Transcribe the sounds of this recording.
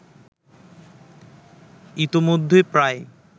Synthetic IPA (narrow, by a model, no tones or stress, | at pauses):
it̪omod̪ʱːepɾae